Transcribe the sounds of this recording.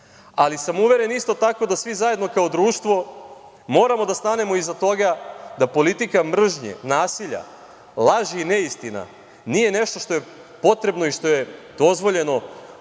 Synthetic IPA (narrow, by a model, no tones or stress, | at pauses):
alisamuʋe̞ɾe̞nist̪o̞t̪ako̞d̪asʋizaje̞d̪no̞kao̞d̪ɾuːʃt̪ʋo̞ | mo̞ːɾamo̞d̪ast̪ane̞mo̞izat̪o̞ɡad̪apo̞lit̪ikamr̩ʒɲḛnaːsiʎa̰ | lˠaʒiːneist̪ina̰ | nije̞ne̞ʃt̪o̞ʃt̪o̞je̞ | po̞t̪ɾe̞bno̞iʃt̪o̞je̞d̪̥o̞zʋo̞ʎe̞no̞